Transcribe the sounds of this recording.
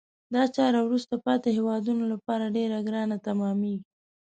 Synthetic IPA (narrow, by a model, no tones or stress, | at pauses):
d̪ɑt͡ʃɑɾawɾust̪apɑt̪ehewɑd̪unolapɑɾaɖeɾaɡɾɑnat̪amɑmeɡi